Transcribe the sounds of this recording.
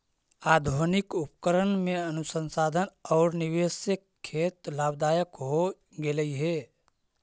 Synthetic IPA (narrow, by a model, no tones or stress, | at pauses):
aːd̪ʱonɪkʊpkəɾənmẽənʊsə̃nsaːd̪ʱənɔːɾnɪʋeːsekkʰːeːt̪laːbd̪aːjəkɦo | ɡeləiɦɛː